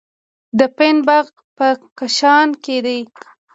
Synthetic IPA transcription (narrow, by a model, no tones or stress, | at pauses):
d̪əpenbaɣ | pəkaʃɑnked̪e